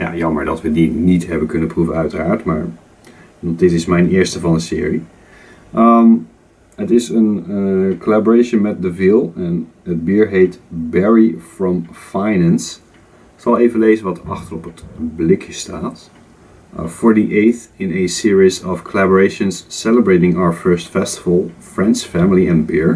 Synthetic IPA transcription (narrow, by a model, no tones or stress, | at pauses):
ja̰ːjɑmə̰ɹdɑ̰tʋədinitɦɛbəkɵnəpruvənœɥtəraːɹtmaːɹ | dɔdɪtɪsmɛjnɪːɹstəvɑndəsɪ̰ːɹi | ʔəm | ətɪsənəkolabəɹeʃənmɛt̚dəvilˠɛn | əd̚biːɹɦejtbɛɹifɹɔ̃mfajnɛ̃ns | ɪksɑlˠejvənleɪzənʋɑtɑ̰χtəɹɔpətblɪkʰjəstʰaːt | fɔːɹdiʔejθɪ̃nəsɪːɹizɔfkʰolabəɹejʃə̃nsːɛləbɹejtɪ̃ŋaʊə˞fɜɹstfɛstəvəlˠfɹɛ̃nsfɛmɪliɛ̃nbɪɹ